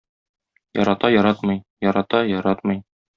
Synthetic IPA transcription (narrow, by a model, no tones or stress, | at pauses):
jɒ̰ɾɑt̪ɑjɒɾɑt̪mɤjjɒɾɑt̪ɑjɒɾɑt̪mɤj